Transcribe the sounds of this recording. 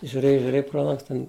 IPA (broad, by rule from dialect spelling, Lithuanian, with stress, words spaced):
ʒʲʊˈrʲeːj ʒʲʊˈrʲeːj proː ˈlˠɐŋks tʲɛn